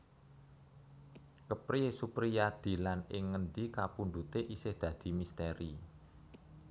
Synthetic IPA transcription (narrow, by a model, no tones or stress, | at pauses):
kəpɾiesupɾijad̪̥i̤lanɪŋːənd̪ikapund̪ut̪eʔisɪhd̪̥ä̤d̪̥i̤mist̪eɾi